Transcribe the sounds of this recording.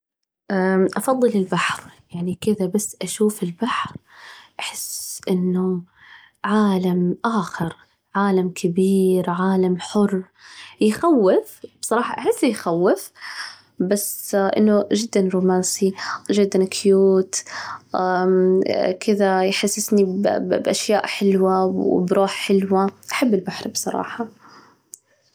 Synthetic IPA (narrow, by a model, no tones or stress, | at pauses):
ʔaʔɑfɑðˤːɨlɪlbaħɾjaʕnikɪðabasːʔaʃuːfɪlbaħɾ | ʔaħɪsʔɪnːʊ | ʕaːlamʔaːxɪɾ | ʕaːlamkʰɪbiːɾʕaːlamħʊr | jxawːɪfbsˤɑɾˤɑːħɑʔaħɪsːjxawːɪf | basʔɪ̰nːʊʒɪd̪ːanɾuːmaːnsiʒɪd̪ːankʰjuːt̪ | kɪðajħasːɪsnibʔaʃjaːʔħɪlwa̰bɾuːħħɪlwaʔaħabːɪlbaħɾbsˤɑɾˤɑ̰ːħɑ